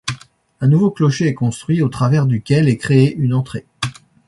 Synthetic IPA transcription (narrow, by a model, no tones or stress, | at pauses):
ɛ̃nuvoklɔʃeɛkɔ̃st̪χɥiot̪χavɛʁd̪ykʲɛlɛkχeeʔynɑ̃t̪χe